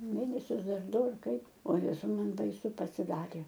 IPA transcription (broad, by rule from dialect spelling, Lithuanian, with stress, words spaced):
ˈmʲeːnʲɛsʲʊs ˈdɐr ˈdʊ ɐr ˈkɐɪp oː ˈjæːzɐʊ ˈmɐn bɐɪˈsʊ pɐsʲɪˈdɑːrʲeː